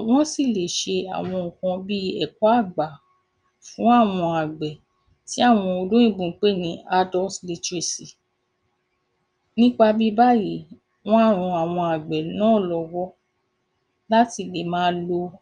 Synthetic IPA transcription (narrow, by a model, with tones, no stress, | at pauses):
w̃ɔ̃˦si˦˨le˨ʃe˧a̰˨w̃ɔ̃˧ũ˨kã˧bi˦ɛ̰˨kɔ˦a˦˨ɡ͡ba˨ | fũ˨˦a˦˨w̃ɔ̃˧a˨ɡ͡bɛ˨ | ti˨˦a˦˨w̃ɔ̃˧o˧dũ˦ĩ˦˨ɡ͡bũ˧˦k͡pe˦˨nĩ˨˧˦a˧dɔ˦tli˧tɾi˨si˨ | nĩ˦k͡pa˧bi˦ba˦ji˨˦ | w̃ɔ̃˦a˦˨ɾ̃ũ˧a˨w̃ɔ̃˧a˨ɡ͡bɛ˨nãː˦˨lɔ˧wɔ˦ | la˦ti˧le˨mãː˦lo˧